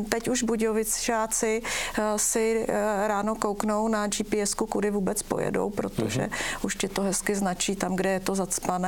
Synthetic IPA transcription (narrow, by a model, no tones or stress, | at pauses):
t̪ɛcuʒbuɟovɪt͡sʒaːt͡sɪsɪɾaːno̞kowkno̞wnad͡ʒipɪɛskukudɪvuːbɛt͡spo̰jɛ̰do̰wpɾo̞̰t̪o̞̰ʒɛ̰uʃc̪ɪt̪oɦɛskɪznat͡ʃiːt̪amɡdɛjɛt̪o̞zat͡spanɛː